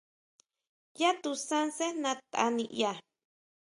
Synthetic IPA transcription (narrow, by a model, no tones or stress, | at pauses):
jat̪usansenãt̪ʼa̰niʔja